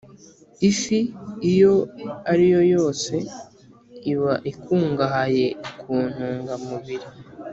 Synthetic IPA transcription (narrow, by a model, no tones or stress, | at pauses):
ifiijo̞aɾijo̞jo̞ːse̞ | iβaʔikʰuːŋɡahaje̞kʰuːn̥huːŋɡamuβiɾi